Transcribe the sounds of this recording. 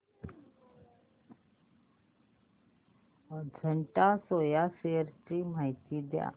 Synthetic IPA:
d͡zʱəɳʈasojaseəɾt͡ɕim̤ajt̪id̪ja̰

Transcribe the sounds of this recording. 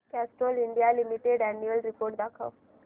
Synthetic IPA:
kæsʈoliɳɖijalimiʈeɖɛnjuəlɾipoɾʈ̚d̪akʰa̰ʋ

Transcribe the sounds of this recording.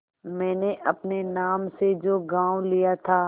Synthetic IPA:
mɛ̃ːneʔɐpnenaːmsed͡ʒoːɡãːwlijat̪ʰaː

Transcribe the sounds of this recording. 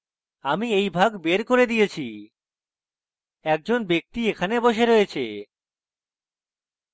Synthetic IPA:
amiejbʱaɡbeɾkoɾed̪ijet͡ɕʰi | ɛk̚d͡ʑonbek̚t̪iekʰaneboʃ̬eɾoet͡ɕʰḛ

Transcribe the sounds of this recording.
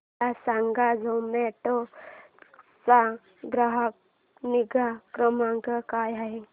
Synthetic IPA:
asaŋɡad͡zomeʈo | sa | ɡɾaɦək̚ | niɡakɾəmaŋkəkajaɦe

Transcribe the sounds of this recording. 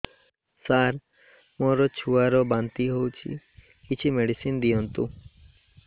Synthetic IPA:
saɾ | mɔɾɔt͡ʃʰuaɾɔbant̪iɦowt͡ʃʰḭ | kit͡ʃʰimeɽisind̪iɔnt̪u

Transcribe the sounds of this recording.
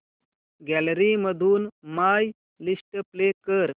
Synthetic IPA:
ɡælɾiməd̪ʱuːnmaj | lisʈəplekəɾ

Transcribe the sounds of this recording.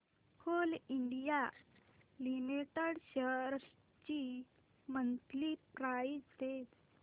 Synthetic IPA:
kʰoliɳɖija | limiʈəɽɕəɾ | t͡ɕi | mənt̪lipɾaist̪et

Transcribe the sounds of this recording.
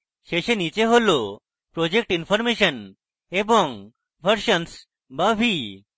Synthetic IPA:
ɕeɕenit͡ɕeɦolo | pɾod͡ʑek̚ʈinfɔɾmeɕən | ebɔŋ | ʋʱəɾɕəns | babʱi

